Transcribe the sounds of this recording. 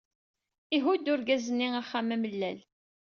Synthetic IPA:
iɦud̪ʊɾɡæzənːiaχːamæməlːæl

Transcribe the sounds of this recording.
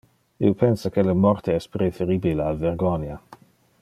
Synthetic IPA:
ḭopʰɛnsakeləmɔrt̪ʰeɛspɾefeɾibilealveɾɡɔnja

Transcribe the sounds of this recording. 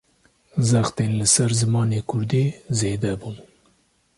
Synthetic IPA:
zaxt̪enləsaɾzɨmɑːnekʊɾd̪ezed̪abum

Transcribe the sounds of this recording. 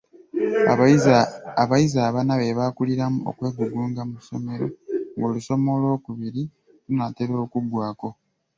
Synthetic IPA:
βajizaːβanaβe̞βakuliɾamuo̞̰kwe̞ːɡuɡuːŋɡamuso̞̰me̞ɾo̞ŋɡoluso̞mo̞lwo̞ːkuβiɾi | lunateɾo̞ːkubwaːko̞

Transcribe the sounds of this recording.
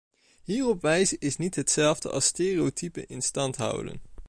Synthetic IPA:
ɦiːrɔpʋɛjzəɪsnitɦətsɛlˠvdə̰ʔɑ̰lˠsteːriowtʰypə̰ɪnstɑntɦʌ̰wdə̰n

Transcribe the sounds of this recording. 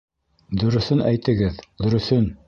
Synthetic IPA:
d̪ɵ̆ɾɵ̆θɵnʔæjt̪ɘ̆ɡɘðd̪ɵ̆ɾɵ̆θɵn

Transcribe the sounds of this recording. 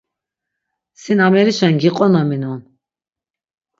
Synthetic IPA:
sinamɛɾiʃanɡiqʼɔnaminɔn

